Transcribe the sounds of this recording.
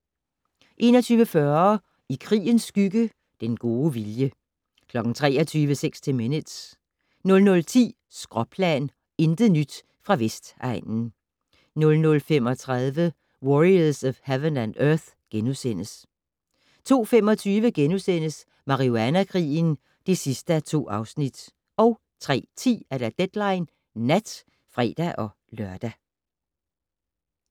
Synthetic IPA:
ʔe̝ːnɒt͡sʰyːʋəfɶɐ | ikʰʁḭːənsːɡ̥yɡ̥ə | d̥enɡ̥o̝ːʋiljə | kʰlɒ̽ɡ̥n̩t͡sʰʁɛ̰ːɐt͡sʰyːʋəseɡ̥st͡sʰe̝minəd̥s | nɔ̽lnɔ̽lt͡sʰḭː | sɡ̥ʁɒ̽pʰlɛ̰n | e̝nd̥nyd̥ | fʁɑ̈ʋesd̥ɑ̈ɪ̰nn̩ | nɔ̽lnɔ̽lfem̰ɒ̽t͡sʰʁaðˠʋə | wɒʁiɐsɒfhæʋənænøɐθ | ɡ̥enusen̰əs | t͡sʰo̝̰ːfem̰ɒ̽t͡sʰyːʋəɡ̥enusen̰əs | mɑ̈ʁioænækʰʁḭːn̩ | d̥e̝sisd̥əæt͡sʰo̝̰ːɑ̈ʊsnid̥ | ɒ̽ʊ | t͡sʰʁɛ̰ːt͡sʰḭːæɐɾæd̥ed̥lɑ̈ɪ̰nː | æd̥ | fʁɛ̰ːd̥æʔɒ̽ | lɶɐd̥æ

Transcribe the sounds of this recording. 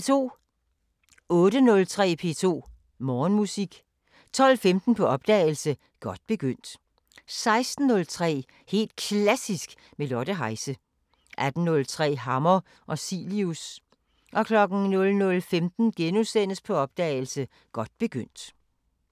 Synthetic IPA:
et͡sʰo̝̰ː | ɔ̽ːɾ̥ənɔ̽lt͡sʰʁɛ̰ːpʰe̝ːt͡sʰo̝̰ː | mɒːnmusiɡ̥ | t͡sʰɒ̽l̰femd̥n̩pʰɒ̽ɒ̽b̥̚d̥ɛ̰ːɪl̩sə | ɡ̥ɒ̽d̥̚b̥e̝ɡ̥øn̰d̥ | sɑ̈ɪsd̥n̩ːɔ̽lt͡sʰʁɛ̰ː | he̝̰ːld̥̚kʰlæsisɡ̥ | melɒɾ̥əɦɑ̈ɪsə | ʔæd̥n̩nɔ̽lt͡sʰʁɛ̰ːɦɑ̈mɐ | ʔɒ̽silius | ʔɒ̽kʰlɒ̽ɡ̥n̩nɔ̽lnɔ̽lfemd̥n̩ɡ̥enusen̰əspʰɒ̽ɒ̽b̥d̥ɛ̰ːɪl̩sə | ɡ̥ɒ̽d̥̚b̥e̝ɡ̥øn̰d̥

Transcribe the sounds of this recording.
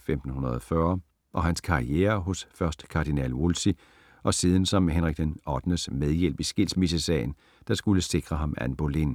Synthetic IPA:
femd̥n̩hunɐð̞ˠɒfɶɐ | ʔɒ̽ɦænskʰɑ̈ieːɐɦɔ̽sfɶɐsd̥kʰɑ̈d̥inɛ̰lwolsi | ʔɒ̽siːð̞ˠən̩sɒ̽mɦenʁiɡ̥d̥enɒd̥nəsmeð̞ˠjel̰b̥isɡ̥e̝lsmis̬əsɛ̰ɪn | d̥ɑ̈sɡ̥uləse̝ɡ̥ʁɐɦɑ̈mæ̰nb̥olin

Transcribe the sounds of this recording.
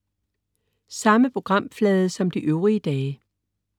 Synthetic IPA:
sɑ̈məpʰʁo̝ɡ̥ʁɑ̈m̰flɛːðˠsɒ̽md̥iʔøʊʁiəd̥ɛː

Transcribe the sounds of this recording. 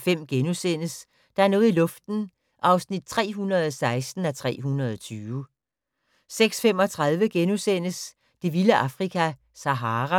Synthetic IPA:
fem̰ɡ̥enusen̰əs | d̥ɑ̈æɐnɔ̽ːð̩ˠilɔ̽fd̥n̩ | ʔɑ̈ʊsnid̥̚t͡sʰʁɛ̰ːɦunʁɐð̞ˠɒsɑ̈ɪsd̥n̩æt͡sʰʁɛ̰ːɦunʁɐð̞ˠɒt͡sʰyːʋə | seɡ̥sfem̰ɒ̽t͡sʰʁɑð̞ˠʋəɡ̥enusen̰əs | d̥e̝ʋiləʔɑ̈fʁikʰæ | sæɦɑːʁɑ

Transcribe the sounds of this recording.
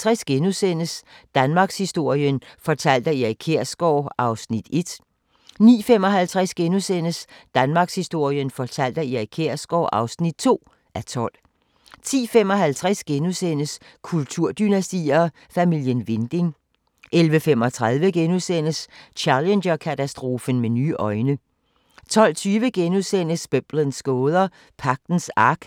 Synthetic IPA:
t͡sʰʁasɡ̥enusen̰əsd̥ænmɑ̈ːɡ̥shisd̥o̝ɐ̰jənfɒ̽t͡sʰæl̰d̥ɐiækʰe̝ɐ̰sɡ̥ɒʊ̰ɑ̈ʊsnid̥e̝d̥ | nḭːfemɒ̽ɦælt͡sʰʁasɡ̥enusen̰əsd̥ænmɑ̈ːɡ̥shisd̥o̝ɐ̰jənfɒt͡sʰæl̰d̥ɐiækʰeɐ̰sɡ̥ɒʊʔɑ̈ʊsnid̥̚t͡sʰo̝̰ː | æt͡sʰɒ̽l̰ | t͡sʰḭːfemɒ̽ɦælt͡sʰʁasɡ̥enusen̰əs | kʰult͡sʰuɐ̰d̥ynæsd̥ḭːɐ | fæmil̰jənʋe̝nd̥e̝ŋ | ʔelʋəfemɒ̽t͡sʰʁað̞ˠʋəɡ̥enuðˠsen̰əst͡ɕʰælendɐkʰæt͡sæsd̥ʁo̝ːfən̩meny̰ːʔɒ̽ɪnə | t͡sʰɒ̽l̰t͡sʰyːʋəɡ̥enuðˠsen̰əsb̥øb̥lənsɡ̥ɔːð̞ˠɐ | pʰɑ̈ɡ̥̚d̥n̩sɑ̈ɡ̥

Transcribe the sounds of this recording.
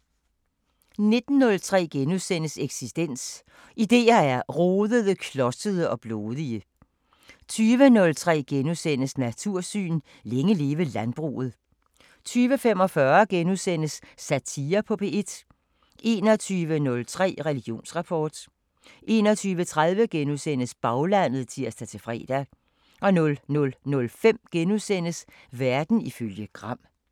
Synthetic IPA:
ne̝d̥n̩ːɔ̽lt͡sʰʁɛ̰ːɡ̥enuðˠsen̰əseɡ̥sisd̥en̰s | ʔid̥e̝̰ːɐæɐʁoːðˠəðˠəkʰlɒ̽sd̥əð̞ˠəɒ̽b̥loːðˠiə | t͡sʰyːʋənɔ̽lt͡sʰʁɛ̰ːɡ̥enusen̰əsnæt͡sʰuɐ̰sy̰ːn | leŋəle̝ːʋəlænb̥ʁṵːð̞̩ˠ | t͡sʰyːʋəfem̰ɒ̽fɶɐɡ̥enuðˠsen̰əsːæt͡sʰiːɐpʰɒ̽pʰe̝e̝d̥ | e̝̰ːnɒ̽t͡sʰyːʋənɔ̽lt͡sʰʁɛ̰ːʁɛliɡ̥jo̝̰ːnsʁɑ̈pʰɒ̰ːd̥ | ʔe̝̰ːnɒ̽t͡sʰyːʋət͡sʰʁað̞ˠʋəɡ̥enusen̰əsb̥ɑ̈ʊlæn̰ð̞̩ˠt͡sʰiɐ̰sd̥æt͡sʰe̝fʁɛ̰ːd̥æ | ʔɒ̽nɔ̽lnɔ̽lnɔ̽lfem̰ɡ̥enusen̰əs | ʋæɐd̥n̩iføljəɡ̥ʁɑ̈m̰

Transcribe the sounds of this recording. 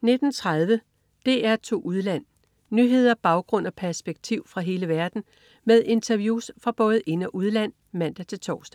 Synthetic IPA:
ne̝d̥n̩t͡sʰʁað̞ˠʋə | d̥e̝æɐt͡sʰo̝̰ːʔuðˠlæn̰ | nyɦe̝ð̞̰ˠɐb̥ɑ̈ʊɡ̥ʁɔ̽n̰ɒ̽pʰæɐsb̥eɡ̥̚t͡sʰiʊ̰fʁɑ̈ɦe̝ːləʋæɐd̥n̩ | með̞ˠe̝nt͡sʰɐʋjuːsfʁɑ̈b̥ɔ̽ːð̞̩ˠʔe̝næʔuð̞ˠlæn̰ | mæn̰d̥æt͡sʰe̝lt͡sʰɒ̰ːsd̥æ

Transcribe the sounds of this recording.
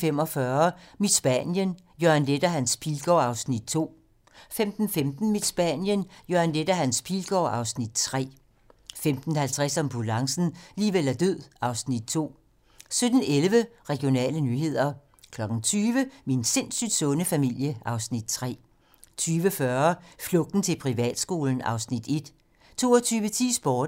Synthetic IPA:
fem̰ɒ̽fɶːɐmid̥sb̥ænjən | jøɐænled̥ɐɦænspʰilɡ̥ɒɑ̈ʊsnid̥̚t͡sʰo̝̰ː | femd̥n̩femd̥n̩mid̥sb̥ænjənjoɐnled̥ɐɦænspʰilɡ̥ɒ̰ːɑ̈ʊsnid̥̚t͡sʰʁɛ̰ː | femd̥n̩hælt͡sʰʁɛsɒ̽mb̥ʰulɑ̈ŋsn̩liːʋel̰æɐd̥øð̰ˠɑ̈ʊsnid̥̚t͡sʰo̝̰ː | sød̥n̩elʋəʁɛɡ̥io̝nɛ̰ːlənyɦe̝ð̞̰ˠɐ | kʰlɒ̽ɡ̥ŋ̩t͡sʰyːʋəminse̝nsyd̥sɔ̽nəfæmil̰jəʔɑ̈ʊsnid̥t͡sʰʁɛ̰ː | t͡sʰyːʋəfɶɐflɔ̽ɡ̥̚d̥n̩t͡sʰe̝lpʰʁiʋɛ̰ːd̥sɡ̥o̝ːln̩ɑ̈ʊsnid̥e̝d̥ | t͡sʰo̝ːɒt͡sʰyːʋət͡sʰḭːsb̥ɒːd

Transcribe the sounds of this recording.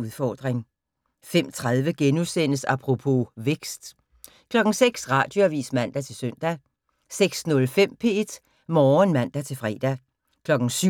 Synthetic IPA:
uðˠfɒːd̥ʁeŋ | fem̰t͡sʰʁað̞ˠʋəɡ̥enuðˠsen̰əsɑpʰʁo̝pʰo̝ʋeɡ̥sd̥ | kʰlɒ̽ɡ̥ŋ̩seɡ̥sʁɑ̈ːd̥jo̝æʋḭːsmæn̰d̥æt͡sʰe̝lsøn̰d̥æ | seɡ̥snɔ̽lfem̰pʰe̝e̝d̥ | mɒːnmæn̰d̥æt͡sʰe̝lfʁɛ̰ːd̥æ | kʰlɒ̽ɡ̥n̩sy

